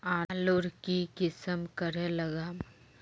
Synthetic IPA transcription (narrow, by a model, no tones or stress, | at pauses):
ãːlʊɾkikɪsəmkəɾẽlɐɡaːm